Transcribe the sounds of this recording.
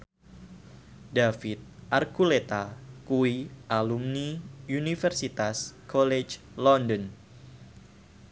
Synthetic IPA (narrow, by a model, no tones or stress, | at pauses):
dafit̪̚ʔarkulet̪akuiʔalumniunifɛrsit̪askɔlet͡ʃ | lɔndɔn